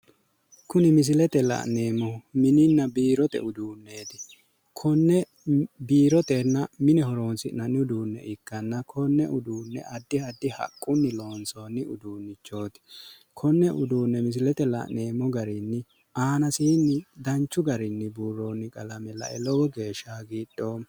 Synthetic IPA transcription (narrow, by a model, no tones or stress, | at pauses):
kʊnɪmɪs̬ɪlɛt̪ɛlɐ̰ʔne̞ːmɔmɪnɪnːɐbiːɾɔt̪ɛ̰ʔʊd̪uːnːe̞ːt̪ɪ̥ | kʰɔnːɛ | biːɾɔt̪ɛnːɐmɪnɛhɔɾo̞ːnsɪnɐnʊd̪uːnːɛ̰ʔɪkːɐnːɐkʰɔnːɛʔʊd̪uːnːɛ̰ʔɐd̪ːɪhɐd̪ːɪhɐ̰kʼːʊnːɪlo̞ːnso̞ːnːɪʊ̰d̪uːnːɪt͡ʃːo̞ːt̪ɪ̥ | kʰɔnːɛʔʊd̪uːnːɛmɪs̬ɪlɛt̪ɛlɐ̰neːmɔɡɐɾɪnːɪ | aːnɐsɪɪnːɪd̪ɐnt͡ʃːʊɡɐɾɪnːɪbuːrːoːnːɪkʼɐlɐmɛlɐ̰ʔɛlɔwɔɡe̞ːʃːaːɡiːɗoː